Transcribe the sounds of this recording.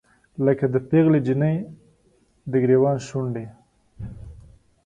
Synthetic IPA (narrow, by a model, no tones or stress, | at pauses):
ləkad̪əpeɣled͡ʒinəj | d̪əɡɾewɑnʃuɳɖe